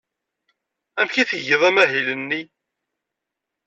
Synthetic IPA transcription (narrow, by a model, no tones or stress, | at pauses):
æmçiθəʝəðˤæmæɦilənːi